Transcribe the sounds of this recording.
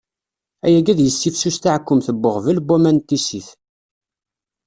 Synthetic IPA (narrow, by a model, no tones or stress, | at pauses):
æjæɡæðjəsːifsust̪aʕkːʊmθəbːəʁvəlbumænt̪ːisiθ